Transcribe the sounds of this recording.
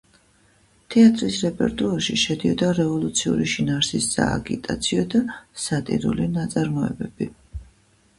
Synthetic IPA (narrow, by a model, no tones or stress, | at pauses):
t̪ʰɛat̪ʼɾisɾɛpʼɛ̰ɾt̪ʼuaɾʃiʃɛd̪iɔd̪aɾɛvɔlˠut̪sʰiṵɾiʃinaɾsisːa̰ːɡit̪ʼat̪sʰiɔd̪asat̪ʼḭɾṵlinat̪sʼaɾmɔɛ̰bɛb̥i